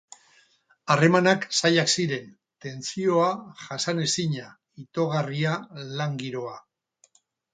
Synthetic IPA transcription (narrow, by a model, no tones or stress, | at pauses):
are̞manaksajaksiɾe̞n | t̪e̞nt͡sio̞aʝasane̞siɲa | it̪o̞ɣ̞arialaŋɡiɾo̞a